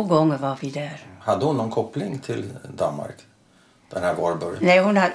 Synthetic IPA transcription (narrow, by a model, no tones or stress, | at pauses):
oːɡɔŋːəɾvaɾvɪd̪æɾhad̪ːəhʊnːɔnkʰɔpːlɪŋt̪ʰɪld̪a̰nma̰ɾk | d̪̥ɛnhæːɾɡoːɾbœɾja̰nɛjhʊna